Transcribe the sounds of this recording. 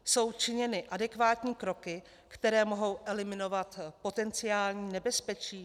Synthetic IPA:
so̞wt͡ʃɪɲɛnɪʔadɛkvaːt̪ɲiːkɾo̞kɪ | kt̪ɛɾɛːmo̞ɦo̞wʔɛlɪmɪno̞vat̪po̞t̪ɛnt͡sɪaːlɲiːnɛbɛspɛt͡ʃiː

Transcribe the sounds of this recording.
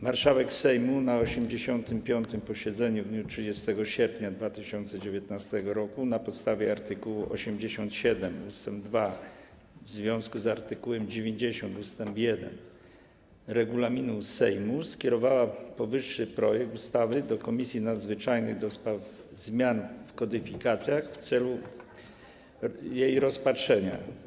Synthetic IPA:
maɾʂawɛksɛjmunaɔɕɛmd͡ʑeɕɔnt̪ɘmpʲjɔnt̪ɘmpɔɕɛd̪zɛɲuvd̪ɲutʂɘd͡ʑɛst̪ɛɡɔɕɛɾpɲad̪vat̪ɘɕɔnt̪sɛd͡ʑevʲjɛt̪nast̪ɛɡɔɾɔkunapɔt̪st̪avʲjɛaɾt̪ɘkuwuʔɔ̰ɕɛmd͡ʑeɕɔnt̪ɕɛd̪ɛmust̪ɛmbd̪va | vzvʲjɔ̃w̃skuzaɾt̪ɘkuwɛmd͡ʑevʲjeɲd͡ʑeɕɔ̃nt̪ust̪ɛmpjɛd̪ɛ̰n | ɾɛɡulamʲinusɛjmuskʲɛɾɔvawapɔvɘʂːɘpɾɔjɛk̚t̪ust̪avɘd̪ɔkɔmʲisʲjinad̪zvɘt͡ʂajnɘɣd̪ɔspɾav | zmʲjanfkɔd̪ɘfʲikat̪sʲjaxft̪sɛlu | jejɾɔspatʂɛɲa̰

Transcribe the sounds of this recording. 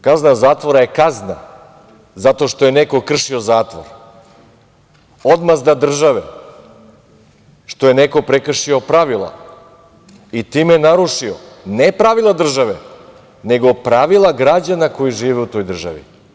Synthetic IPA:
kaznazaːt̪ʋo̞ɾaje̞kazna̰ | zat̪o̞ʃt̪o̞je̞neko̞kr̩ʃio̞zaːt̪ʋo̰ɾ | od̪mazd̪ad̪r̩ʒaʋe | ʃt̪o̞je̞neko̞pɾekr̩ʃio̞pɾaʋilˠa̰ | it̪iːmenaɾuʃionepɾaʋilˠad̪r̩ʒaʋe | ne̞ɡo̞pɾaʋilˠaɡɾad͡ʑanako̞jiʒiːʋeut̪o̞jd̪r̩ʒa̰ʋḭ

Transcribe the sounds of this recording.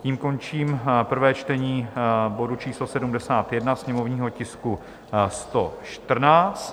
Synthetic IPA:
ciːmko̞nt͡ʃiːmpr̩vɛːt͡ʃt̪ɛɲiːbo̞dut͡ʃiːslo̞sɛdumdɛsaːt̪jɛdnasɲɛmo̞vɲiːɦo̞cɪsku | st̪o̞ʃt̪r̩naːt͡st̪

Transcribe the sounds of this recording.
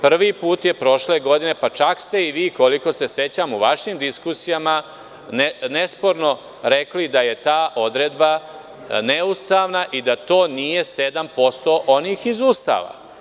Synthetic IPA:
pr̩ʋiːpuːt̪je̞pɾo̞ʃleɡo̞d̪ine̞pat͡ʃakst̪e̞iʋiːko̞liko̞se̞se̞t͡ɕamuʋaʃimd̪iskusijama | nne̞spo̞ɾno̞ | ɾeklid̪aje̞t̪aːʔo̞d̪ɾed̪ba | neust̪aːʋnaʔid̪at̪o̞ːnije̞se̞d̪ampo̞st̪o̞ʔo̞niːxizuːst̪a̰ːʋa̰

